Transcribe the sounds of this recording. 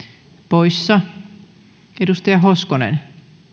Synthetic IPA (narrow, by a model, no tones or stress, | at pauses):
poisːɑ | edust̪ɑjɑɦoskonḛn